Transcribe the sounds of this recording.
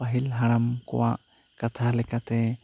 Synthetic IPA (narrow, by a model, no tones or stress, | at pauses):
aɦilɦaɽ̃amkɔ̰waʔkat̪ʰalɛkat̪ɛ